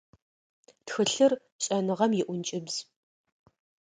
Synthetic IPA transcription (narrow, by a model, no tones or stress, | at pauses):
txɨɬɨr | ɕʼɐnɨʁɐmjɪʔʷʊnt͡ʃʼɪbz̥